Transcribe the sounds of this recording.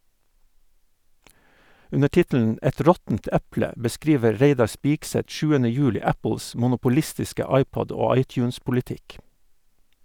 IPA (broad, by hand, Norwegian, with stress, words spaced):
ˈʉnə ˈʈɪtl̩n̩ ˈɛt ˈɾɔtn̩t ˈæplə bəˈskɾiːʋə ˈɾeɪdɑɾ ˈspiːkˌsɛt ˈʃʉːənə ˈjʉːlɪ ˈæpl̩s mʊnʊpʊˈlɪstɪskə ˈɑɪˌpɔd ˈoː ˈɑɪˌtjʉːnspʊlɪˌtɪk